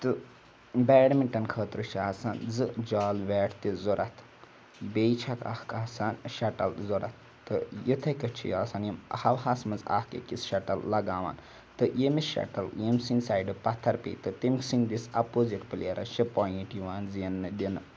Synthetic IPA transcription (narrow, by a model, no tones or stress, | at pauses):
t̪ɨ | bɛːɽmiʈɐnkʰəːt̪ɾɨt͡ʃʰiaːsaːnzɨd͡ʒaːlʋɛːʈʰt̪izuɾʔɐt̪ʰ | beːjt͡ʃʰɐka̰hkaːsaːnʃɐʈɐlzuɾɐ̰t̪̚ʰːɨjit̪ʰɐkɐt͡ʃʰḭjaːsaːnjimhɐʋɦaːsmɐnza̰ːhkḛkisʃɐʈɐlːɐɡaːʋa̰ːn | t̪ɨjemiʃɐ̰ʈɐljemsinsaːjɖɨpɐt̪ʰːɐɾpḛːt̪ɨt̪imksind̪isɐpoziʈpɨleɾʔɐ̰t͡ʃipoːʈjiʋaːnzjenːɨd̪inɨ